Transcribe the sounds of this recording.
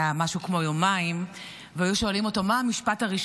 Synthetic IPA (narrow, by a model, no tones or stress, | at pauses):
amaʃukmo̞jomaim | veajuʃo̞alimo̞tomaamiʃpataʁiʃ